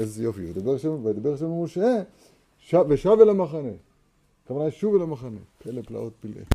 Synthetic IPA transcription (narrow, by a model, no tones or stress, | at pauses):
ezjofid̪abeʁʃemvad̪abeʃamuʃe | ʃaveʃavelemaχane | kavanajʃuvelemaχanepelepla̰ʔot̪̚pilʔḛ